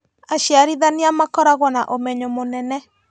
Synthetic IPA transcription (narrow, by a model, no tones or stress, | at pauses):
aʃjaɾiðaniamakɔɾaɣwɔnaʔomɛɲomonɛnɛ